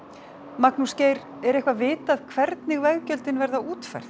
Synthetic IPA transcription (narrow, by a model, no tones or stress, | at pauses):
maknuscejɾ | ɛɾɛjhkvaðvɪːt̪aːðkʰvɛɾt̪nɪɣvɛɣcœlt̪ɪnvɛɾðauːt̪fa̰r̥θ